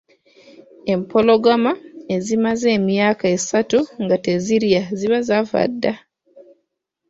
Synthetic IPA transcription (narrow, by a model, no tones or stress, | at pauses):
e̞mpoloɡamae̞zimaze̞ːmjaːkaesatuŋɡateziɾjaziβazava̰dːa